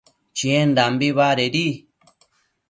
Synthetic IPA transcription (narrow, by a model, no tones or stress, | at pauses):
t͡ʃiẽnd̪ambiβaɾeɾi